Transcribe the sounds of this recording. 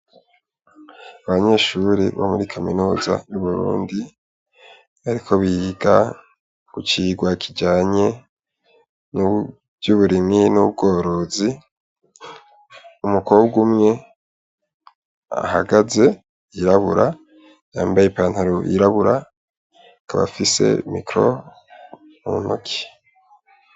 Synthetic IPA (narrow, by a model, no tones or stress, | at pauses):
aβaɲe̞ʃuɾḭβo̰muɾikʰamḭnuːza̰juβuɾṵːndi | βaɾikʰo̞βiɡa | ɡ̥ut͡ʃiɡwakʰid͡ʒaːɲe̞ | nu | vjuβuɾiminubɡo̞ːɾo̞zi | umukobɡumŋe̞ | a̰ha̰ɡaze̞ | iɾaβuɾa | ja̰ːmbajepaːnhaɾoʔḭɾaβuɾa | kaβa̰fise̞̰mḭkɾo̞̰ | mṵno̰kʰi̥